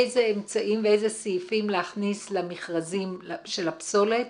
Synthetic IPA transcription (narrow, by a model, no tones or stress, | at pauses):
ejzeemt͡saʔimveejzesijifimlehaχnislamiχʁazimʃe̞lapso̞let